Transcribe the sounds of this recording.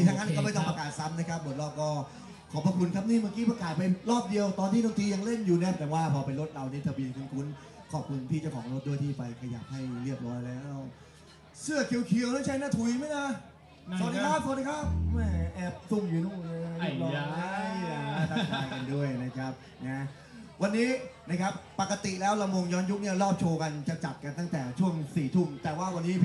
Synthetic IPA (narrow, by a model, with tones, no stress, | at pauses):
i˧˩t̪ʰa˦˧˥ŋa˦˥˧kɔː˥˩pa˧˦t̪ɔ˥ŋpa˧kaː˨˩t̪̚sa˦˥mna˦˥kʰa˦˥p̚bo˨˩t̪̚lɔː˥˩p̚kɔː˥˩ | kʰɔː˩˦pa˧kʰu˧nkʰa˦˥p̚niː˥˩maː˧˩kiː˦˥pɾa˧kaː˨˩t̪̚pe˧nlɔː˥˩p̚di˧əwt̪ɔː˧nt̪ʰiː˥˩doː˧ŋt̪ʰiː˧˥ja˧ŋle˥˩njuː˨˩nɛː˦˥˩p̚t̪ɛː˨˩waː˥˩pʰɔː˧pe˧nɾo˦˥t̪̚ɾa˧wniː˦˥˩t̪ʰa˧bi˧ənkʰu˧nkʰu˦˥n | kʰɔː˨˩p̚kʰu˧nt̪ʰiː˥˩t͡ɕa˨˩kʰɔː˩˦ŋɾo˦˥t̪̚du˥˩əjt̪ʰiː˥˩pa˧jkʰa˧ja̰ː˨˩p̚ha˥˩jlɯ˥˩əp̚ɾɔː˦˥jlɛː˦˥w | sɯ˥˩ɐəkʰi˧wkʰi˧əwla˥˩t͡ɕʰa˦˥na˦˥t̪ʰu˨˩jma˥˩na˧˩ | so˨˦t̪̚di˧kʰa˦˥p̚so˧˦t̪̚d̪i˧˥kʰa˦˥˩p̚mɛ˥˩ʔɛː˦˥p̚su˥˩mjiː˧nu˥˩m˧lːna˧˥˩ɔ˧a˥a˩a˥˩t̪a˥˧˩kaː˧jka˧ndu˥˩əjna˦˥kʰa˦˥p̚ | na˦˥ | wa˧nːiː˦˥na˦˥kʰa˦˥p̚ːa˨˩kːa˧t̪i˨˩lɛː˦˥wla˧mo˧ŋjɔː˦˥nju˦˥k̚ni˥˩ɐɾɔː˥˩p̚t͡ɕʰoː˧ka˧nt͡ɕa˨˩t͡ɕa˨˩t̪̚ka˧nt̪a˥˩ŋt̪ɛː˨˩t͡ɕʰu˥˩əŋsiː˨˩t̪ʰu˥˩mt̪ɛː˨˩waː˥˩wa˧nːiː˦˥